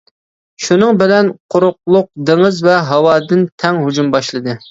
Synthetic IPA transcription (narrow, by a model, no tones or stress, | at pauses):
ʃunɨŋbɪlɛnqʰʊɾʊqlˠʊq̚d̪ɪŋɨzvɛɦɑwɑːd̪ɨnt̪ʰɛŋɦud͡ʒumbɑʃlˠɨd̪ɨ